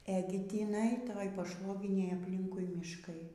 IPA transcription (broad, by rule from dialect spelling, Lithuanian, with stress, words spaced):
ɛˈɡʲɪ tʲɪˈnɐɪ ˈtoːj pɐˈʃʋoːɡʲɪnʲeːj ɐpʲˈlʲɪŋkʊɪ mʲɪʃˈkɐɪ